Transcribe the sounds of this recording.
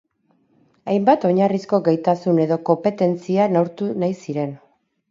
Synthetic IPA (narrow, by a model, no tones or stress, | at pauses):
ajmbat̪o̞ɲarisko̞ɡajt̪asune̞ðo̞ko̞mpe̞t̪e̞nt͡sianawɾt̪unajsiɾe̞n